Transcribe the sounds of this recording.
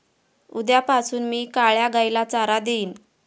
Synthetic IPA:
ud̪japasuːnmiːkaɭjaɡajlat͡saɾad̪eiːn

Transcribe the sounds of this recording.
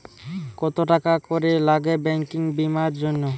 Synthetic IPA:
kɔt̪oʈakakoɾelaɡebɛŋkiŋbimaɾd͡ʑonːo

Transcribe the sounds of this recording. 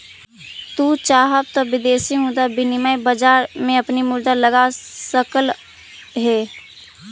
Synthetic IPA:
t̪ut͡ʃaːɦəb̚t̪ɔbɪd̪eːsimud̪abɪnɪmajbəd͡ʒaːɾmẽəpnimʊɾd̪aləɡasəkəl | ɦeː

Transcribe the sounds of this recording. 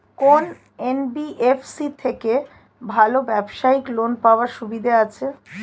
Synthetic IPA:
kon | enbiʔefsit̪ʰeke | bʱalobɛbʃaiklonpaoaɾʃubid̪ʱaat͡ɕʰe

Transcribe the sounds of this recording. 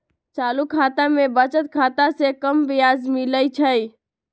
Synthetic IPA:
t͡ʃalukʰat̪amebət͡ʃət̪̚kʰat̪asekəmbijazmiləjt͡ʃʰəj

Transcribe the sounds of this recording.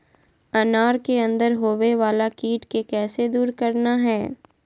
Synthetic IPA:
ɐnaːɾkeɐ̃nd̪əɾɦoːʋeʋaːlakiːʈkekɛːsed̪uːɾkɐɾnaɦɛː

